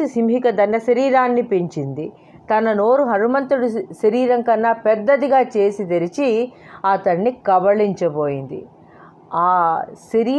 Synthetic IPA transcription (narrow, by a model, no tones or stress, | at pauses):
isimɦikɐd̪ɐnːɐʃɐɾiːɾaːnːipiɲt͡ʃind̪i | t̪ɐnɐno̞ːɾuɦɐɾumɐnt̪ɐɽuʃɐɾiːɾɐŋkɐnːaːpɛd̪ːɐd̪iɡaːt͡ʃe̞ːsid̪eɾit͡ʃi | ɐt̪ɐnːikɐʋɐɭiɲt͡ʃɐboːjind̪ḭ | aːʃɐɾiː